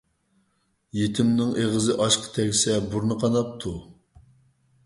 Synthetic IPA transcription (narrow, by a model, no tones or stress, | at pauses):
jet̪ʰɪmnɪŋʔeʁəzɨʔɑʃqʰə̥t̪ʰɛɡʲsɛbuɾnɨqʰɑnɑp̚t̪ʰu